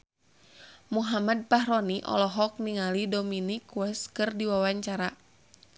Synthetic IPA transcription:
muɦamad̚paɦɾɔniʔɔ̰lɔɦɔk̚niŋalidominikwɛskɨrdiwawaɲt͡ʃaɾa

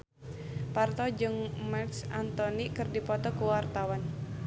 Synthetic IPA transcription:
part̪ɔd͡ʒɨŋmaksant̪ɔnikɨrdipɔt̪ɔkuwart̪awan

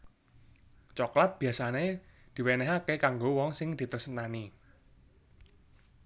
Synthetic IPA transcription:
t͡ʃɔklat̪̚b̥i̤asane | d̪̥i̤wenɛɦakekaŋɡowɔŋsɪŋd̪̥i̤t̪ərsənani

